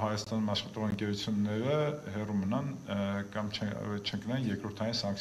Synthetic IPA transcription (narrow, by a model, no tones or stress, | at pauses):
hɑjɑst̪ɑnumɑʃχɑt̪ɔʁəŋkɛɾut͡sʰjunːɛɾəhɛrumənɑnkɑmt͡ʃʰɛt͡ʃʰəŋknɛnjɛɾkɾɔɾt̪ʰɑjinsɑŋkʰ